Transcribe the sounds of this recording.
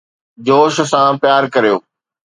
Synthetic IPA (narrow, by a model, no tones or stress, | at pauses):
d͡ʑoːʃ̆sãpjaːɾkɐɾijoː